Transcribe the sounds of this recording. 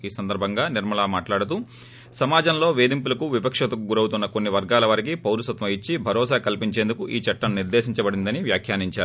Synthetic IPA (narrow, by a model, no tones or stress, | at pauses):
iːsɐnd̪ɐɾbʱɐŋɡaːniɾmɐlaːmaːʈlaːɽut̪uː | sɐmaːd͡ʒɐmlo̞ːʋe̞ːd̪impulɐkuʋipɐkʂɐt̪ɐkuɡuɾɐwut̪unːɐkonːiʋɐɾɡaːlɐʋɐɾik̬ipɐwɾusɐt̪ʋɐit͡ʃːibʱɐɾɔːsaːkɐlpiɲt͡ʃe̞ːnd̪ukuʔiːt͡ʃɐʈːɐnuniɾd̪eːʃiɲt͡ʃɐbɐɽind̪ɐniʋjaːkʰjaːniɲt͡ʃaːɾu